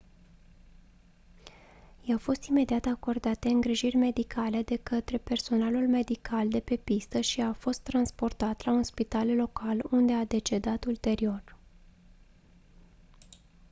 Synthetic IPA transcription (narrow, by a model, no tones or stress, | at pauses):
jawfo̞st̪ime̞d̪iat̪ako̞rd̪at̪d̪eɨŋɡɾiʒirʲme̞d̪ikʰale̞d̪e̞kət̪ɾe̞pe̞rso̞nalulme̞d̪ikʰald̪e̞pe̞pist̪əʃiafo̞st̪ːɾanspo̞rt̪at̪launspit̪allo̞kalund̪e̞ad̪e̞t͡ʃe̞d̪at̪ult̪e̞ɾio̞r